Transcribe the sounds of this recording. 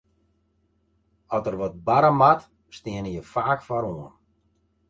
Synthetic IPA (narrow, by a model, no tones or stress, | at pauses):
ɔtərʋɔt̚baɾəmat | stɪənəjəfaːkfaɾoən